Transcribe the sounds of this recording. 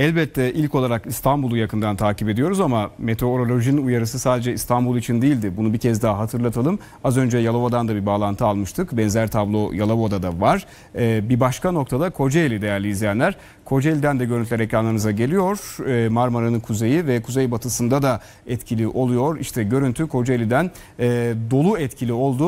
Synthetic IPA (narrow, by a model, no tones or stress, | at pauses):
ɛlʲbɛt̪ʰːɛʔilʲco̞lˠaɾakist̪ʰanbulˠujakɯnd̪ant̪ʰaːcipe̞d̪ijo̞ɾuzamame̞t̪ʰeooɾo̞lʲo̞ʒinujaɾɯsɯsaːd̪e̞d͡ʒɛist̪ʰanbulˠit͡ʃʰind̪ijːlʲd̪ɪbunubicʰɛzd̪aɦaɦat̪ʰɯɾlˠat̪ʰalˠɯm | azø̞nd͡ʒɛjalˠavod̪and̪abibaːlˠant̪ʰɯalˠmɯʃt̪ʰɯkbɛnzæɾt̪ʰablˠo̞jalˠabod̪ad̪avaɾ̥ | ɛːbibaʃkano̞kt̪ʰad̪akʰo̞d͡ʒeelʲid̪e̞jæɾlʲiizlijænlʲæɾ̥ | kʰo̞d͡ʒeelʲid̪ænd̪ɛɟøɾynʰlʲɛɾecɾanlˠaɾnɯzaɟe̞lʲijo̞ɾ̥maɾmaɾanɯnkʰuze̞jivɛkʰuzejbat̪ʰɯsɯnd̪ad̪a | ɛt̪cʰilʲiʔo̞lˠujo̞ɾḭʃt̪ʰɛɟø̞ɾynt̪ʰykʰo̞d͡ʒaelʲid̪æn | ɛːd̪o̞lˠuɛt̪cʰilʲio̞lˠd̪u